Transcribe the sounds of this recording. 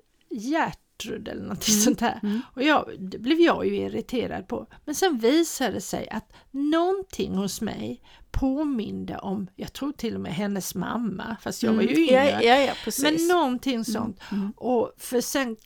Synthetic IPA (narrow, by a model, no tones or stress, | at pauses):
jæʈɾɵd̪ɛ̰lːənɔnt̪ʰɪŋsɔnt̪hæ̰ːɾɔjɑd̪ɛblɛvjɑːjɵɪɾɪt̪ʰeːɾa̰d̪̚pʰɔmɛnsɛnviːsad̪ɛsɛ̰jʔat̪nɔnt̪ʰɪŋːhʊsmɛ̰j | pʰoːmɪnd̪ə̰ʔɔmjɑːɡt̪ʰɾuːʈʰɪlːɔmɛɦɛnːəsma̰mːafast̪jɑːɡvajɵɪ | ɛsmɛnːɔnt̪ʰɪŋːsɔ̰nt̪ʔɔfœsɛn